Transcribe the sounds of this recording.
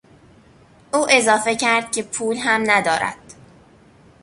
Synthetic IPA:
ʔuːʔe̞zɒːfe̞cʰæɾd̪̥̚cʰe̞pʰuːlɦæmnæd̪ɒːɾæ̰d̪̥

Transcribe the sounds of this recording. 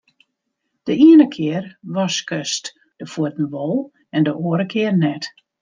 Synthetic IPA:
d̥əʔiənəkʰɪərʋɔskʰøst | d̥əfuətn̩ʋɔlˠ | ɛndəʔoəɾəkʰɪərnɛt

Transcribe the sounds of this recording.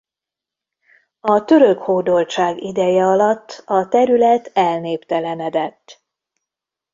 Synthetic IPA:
ɒt̪ø̞ɾøkhoːd̪o̞lt͡ʃaːɡid̪ɛjɛɒlɒt̪ːɒt̪ɛɾylɛt̪ɛlneːpt̪ɛlɛnɛd̪ɛt̪ː

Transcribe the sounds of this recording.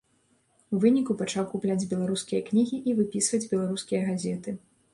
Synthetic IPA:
uvɨnʲikupat͡ʂawkuplʲad͡zʲbʲɛlˠaɾuskʲijɐknʲiɣʲiʔivɨpʲisvɐd͡zʲbʲɛlˠaɾuskʲijɐɣazʲɛt̪ɨ

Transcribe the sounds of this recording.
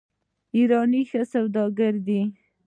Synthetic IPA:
iɾɑnixəsawd̪ɑɡaɾd̪i

